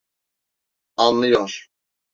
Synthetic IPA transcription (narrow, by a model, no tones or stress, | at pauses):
anlˠɯjoɾ̥